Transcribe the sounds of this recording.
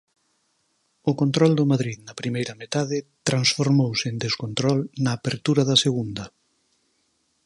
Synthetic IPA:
ʊkont̪ɾɔld̪omaðɾiðnɐpɾimejɾɐmet̪aðɪt̪ɾansfoɾmowsend̪eskont̪ɾɔlnɐːpeɾt̪uɾɐðɐseɣund̪ɐ

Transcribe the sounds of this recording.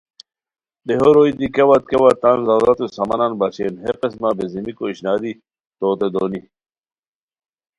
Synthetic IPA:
d̪eɦoɾoid̪ikewɐt̪̚kewat̪anzawzɐt̪usɐmɐnanbɐɕeːnɦeqesmabezimikoiɕnaːd̪i | t̪oːt̪ed̪oːni

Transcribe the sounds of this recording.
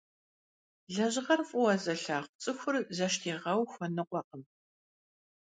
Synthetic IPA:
ɮɐʑʁɐrfʼʊwɐzɐɬaːχʷʊt͡sʼɨxʷʊrzɐʃtʰeːʁɐwxʷɔnɨqʷɔqəm

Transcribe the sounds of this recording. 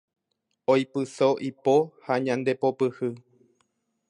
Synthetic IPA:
ojpɨsoʔipohaɲãnd̪e̞po̞pɨhɨ

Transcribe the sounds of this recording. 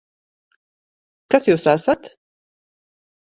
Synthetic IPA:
kasjuːsasat̪

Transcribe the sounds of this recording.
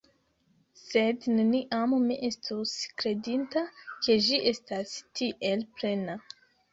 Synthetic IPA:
se̞dneniʔammiʔe̞stuskɾe̞dintakʰe̞d͡ʒiʔe̞stastiʔe̞lpɾe̞na

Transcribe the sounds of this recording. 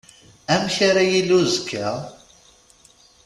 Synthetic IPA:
æmçaɾajilːuzkʰːæ

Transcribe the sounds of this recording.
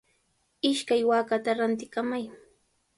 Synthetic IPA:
ɪʃkajwaːkat̪aɾant̪ɪkamaj

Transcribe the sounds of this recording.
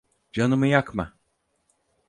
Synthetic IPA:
d͡ʒanɯmɯjakma̰

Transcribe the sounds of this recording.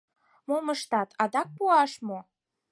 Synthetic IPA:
moməʃt̪ɑt̪ʰɑd̪ɑk̚puɑʃmo

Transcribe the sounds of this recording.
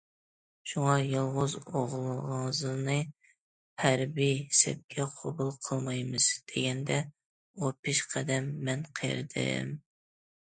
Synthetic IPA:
ʃuŋɑjɨlˠʁʊzoʁlˠɨʁɑŋzɨnɨ | pʰæɾbisɛ̰p̚kʲʰɛqʰobulˠqʰəlˠmɑjmɨz̥d̪̥eɡʲɛnd̪ɛ | opʰɪʃqʰɛd̪ɛmːɛnqʰej̰ɾɨ̰d̪ɨ̰m

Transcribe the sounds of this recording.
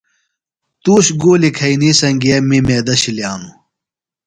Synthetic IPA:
t̪uːɕɡoːlikʰɐinisɐŋɡijɐmimeːd̪ɐɕiljaːnu

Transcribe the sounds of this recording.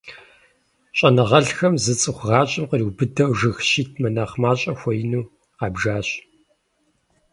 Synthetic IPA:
ɕʼɐnɨʁɐɬxɐmzɨt͡sʼɨχʷʁɑːɕʼɪmqəriwbɨdɐwʒɨxʃiːtʰmɐnaːχmaːɕʼɐxʷɔjɪnuː | qɑːbʒaːɕ

